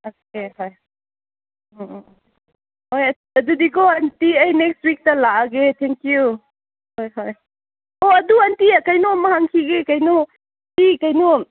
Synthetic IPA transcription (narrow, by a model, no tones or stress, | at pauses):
okeɦoj | hoj | ɐdudikɔɐntiɐjnekstwik̚tɐlaɡetʰeŋkju | hojɦoj | ɔɐduɐntiakajnuɐmɐhaŋkʰiɡekajnu | tikajnu